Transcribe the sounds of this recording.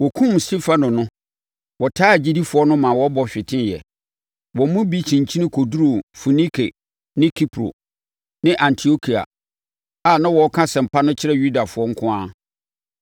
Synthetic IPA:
wɔ˨kʰũ˦m˨sti˦fa˦nʊ̃˨nʊ̃˦ | wɔ˨tʰaː˦˨d͡ʑi˦di˦fʊ˨˦ɔ˦nʊ̃˦mã˨wɔ˦bɔ˦ɕᶣɪ˨tʰɪ̃˦njɛ̰˨ | wɔ˨˦mũ˦bi˦t͡ɕʰĩ˨ɲ˨t͡ɕʰi˦nɪ̃˦kʰo˨du˦ɾo˨fu˨nĩ˦kʰe˨ | nɪ̃˦kʰi˦pʰɾo̰˨ | nɪ̃˦ʔã˨ntʰi˨o˦kʰi˨a̰˨ | a˨nã˦wɔ˨˦kʰã˦sɛ̃˨m̩˨pʰa˦nʊ̃˦t͡ɕʰɪ˦ɾɛ˦ju˦da˨fʊ˦ɔ˦ŋ̩˦kʰʊ̃˦ã˦

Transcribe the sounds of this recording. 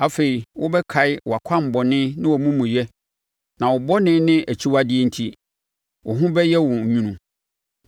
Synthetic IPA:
a˨fe˨ɾi˨wʊ˦bɛ˦kʰa˨˦ɪ˦wʊ˨a˨kʰã˦m̩˨bɔ˨nɪ̃˦nɪ̃˦wɔ˨mũ˦mũ˨jɛ˦ | nã˨wʊ˨bɔ˦nɪ̃˦nɪ̃˦ʔæ˨t͡ɕʰi˦wa˦dɪ˦ɛ˦n̩˨tʰi˦ | wʔʊ˨ɦʊ̃˦bɛ˦jɛ˦wʊ̃˨ɲũ˦nũ˨

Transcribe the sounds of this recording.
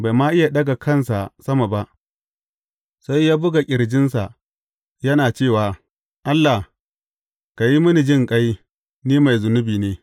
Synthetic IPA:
ba˨jmaː˦ʔɪ˦ja˨ɗɐ˦ɡa˨kʰɐ˦nsa˨sɐ˦ma˨ba˦ʔ | sa˦jːaː˦bʊ˦ɡa˨kʲʼɪ˨ɾd͡ʒɪ˦nsa˨ | jɐ˦naː˨t͡ʃeː˦˨waː˨ | ʔa˦lːa˨ | ka˨ji˦mʊ˦ni˨d͡ʒɪ˦˨ŋkʼa˦j | niː˦ma˨jzʊ˨nʊ˦biː˨neː˦

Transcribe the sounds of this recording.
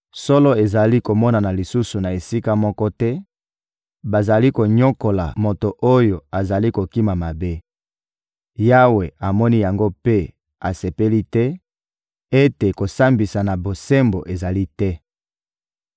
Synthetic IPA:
so˦lɔ˦e˨za˨li˦ko˨mɔ˦na˨na˨li˨su˦su˨na˨e˨si˦ka˦mɔ˦kɔ˦tɛ˦ | ba˨za˨li˦ko˨ɲo˦ko˨la̰˨mo˨to˨ʔo˦jo˨a˨za˨li˦ko˨ki˦ma˨ma˨be˦ | ja˦we˨a˨mɔ˦ni˦ja˨ŋɡo˦pe˦ | a˨se˨pe˦li˦tɛ˦ | e˦te˨ko˨sa˦mbi˨sa˨na˨bo˨se˦mbo˨ʔe˨za˨li˦tɛ˦

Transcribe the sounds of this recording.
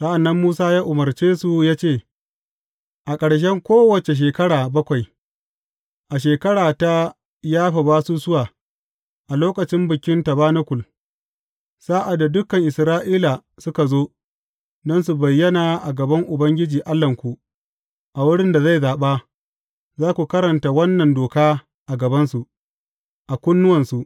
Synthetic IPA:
sa˦ʔa˨nːɐ˦mːuː˦saː˦jaː˦ʔʊ˨mɐ˨rt͡ʃeː˦su˨jaː˦t͡ʃeː˦˨ | ʔa˨kʼɐ˨ɽʃ̬ɛ˦ŋkʷoː˦wɐ˨t͡ʃe˨ʃ̬eː˨kɐ˦ɽaː˨bɐ˦kʷa˨j | ʔa˨ʃ̬eː˨kɐ˦ɽaː˨ta˦ | jaː˦ɸa˨baː˦su˦sʊ˦waː˨ | ʔa˨loː˦kɐ˨t͡ʃɪ˦mbɪ˨kʲɪ˦nta˨baː˦nɐ˦kʷʊ˨l | saː˦ʔa˨da˨dʊ˦kɐ˨ŋʔɪ˨sɾaː˦ʔiː˦la˨sʊ˦ka˨zoː˦ | nɐ˦nsu˨bɐ˨jːɐ˦naː˨ʔa˨ɡɐ˨bɐ˦ŋʔʊ˨bɐ˦ŋɡʲɪ˦d͡ʒiː˨ʔa˦lːɐ˨ŋkʷu˨ | ʔa˨wʊ˦ɽɪ˦nda˨za˦˨jzaː˨ɓaː˦ | zaː˦kʷu˨kɐ˦ɾɐ˨nta˨wɐ˦nːɐ˨ndoː˨kaː˦ | ʔa˨ɡɐ˨bɐ˦nsu˨ʔ | ʔa˨kʷʊ˦nːʊ˦wɐ˨nsu˨ʔ

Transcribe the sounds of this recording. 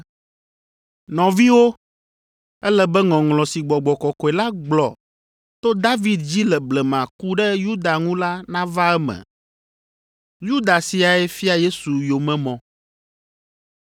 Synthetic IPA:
nɔ̃˨vi˦wo˦ | ɛ˦lɛ˦bɛ˦ŋɔ̃˨ŋlɔ̃˨si˨ɡ͡bɔ˨ɡ͡bɔ˨kɔ˨kɔ˨ɛ˨la˦ɡ͡blɔ˨ | t̪o˦d̪a˦vi˨d̪d͡ʑi˦lɛ˨blɛ˨mã˨ku˦ɖɛ˦ju˦d̪a˨ŋũ˦la˦nã˦va˦ɛ˦mɛ̰̃˨ | ju˦d̪a˨si˨a˨ɛ˦fi˦a˨je˦su˨jo˨mɛ̃˨mɔ̃˨

